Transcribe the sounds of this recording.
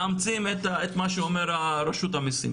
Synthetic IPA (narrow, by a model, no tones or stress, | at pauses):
amt͡simet̪aet̪maʃeomeɾaɾeʃut̪amisḭ